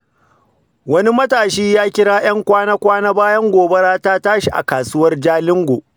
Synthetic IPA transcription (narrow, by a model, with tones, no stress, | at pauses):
wɐ˦ni˦mɐ˦taː˨ʃiː˦jaː˦kʲɪ˦ɽaː˦j̰ɐ˦ŋkʷaː˦naː˦kʷaː˦naː˦baː˦jɐ˦ŋɡʷoː˨be˦ɽaː˦taː˦taː˦ʃi˨ʔa̰˨kaː˨sʊ˦wɐ˦rd͡ʒaː˦lɪ˦ŋɡʷoː˨